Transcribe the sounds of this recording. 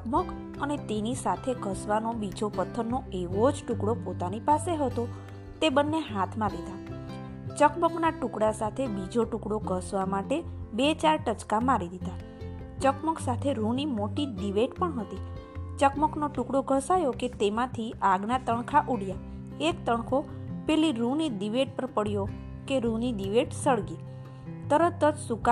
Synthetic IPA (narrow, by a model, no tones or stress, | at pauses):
əkmək | ənet̪enisat̪ʰeɡʱəsʋanobid͡ʒopət̪ʰːənːoeʋod͡ʒʈukɽopot̪anipaseɦət̪o | t̪ebənːeɦat̪ʰmãlid̪a | t͡ʃəkməknaʈukɽasat̪ʰebid͡ʒoʈukɽoɡʱəsʋamaʈebet͡ʃaɾʈət͡ʃkamaɾid̪id̪a | t͡ʃəkməksat̪ʰeɾunimoʈid̪iʋeʈpəɳɦət̪it͡ʃəkməknoʈʊkɽoɡʱəsajoket̪emãt̪ʰiʔaɡnat̪əɳkʰaʔuɽ̤ja | ekt̪əɳ̃kʰo | pɛliɾũnid̪iʋeʈ̚pəɾpəɽjo | keɾũnid̪iʋeʈsəɭɡi | t̪əɾət̪ːəd͡ʒsuk